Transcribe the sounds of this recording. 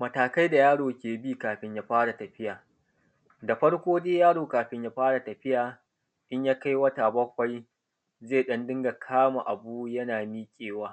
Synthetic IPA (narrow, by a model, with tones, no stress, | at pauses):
mɐ˨taː˨ka˦jda˨jaː˦ɽoː˨kʲeː˨biː˦kaː˨ɸɪ˦ɲja˦ɸaː˦ɽa˨tɐ˨ɸɪ˦jaː˨ | da˨ɸɐ˦ɽkʷoː˦deː˦jaː˦ɽoː˨kaː˨ɸɪ˦ɲja˦ɸaː˦ɽa˨tɐ˨ɸɪ˦jaː˨ | ɗɪ˦ɲjaː˦ka˦jwɐ˦ta˨bɐ˦kʷːa˦j | zeː˦˨ɗɐ˦ndɪ˦ŋɡa˨kʰaː˦ma˨ʔa˨buː˦jɐ˦naː˨miː˦kʲʼeː˨waː˦